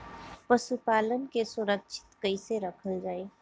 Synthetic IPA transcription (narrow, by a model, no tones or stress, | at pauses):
pəʃupaːlənkesuɾəkʃʰɪ̥t̪kəɪseɾəkʰəld͡ʒaːe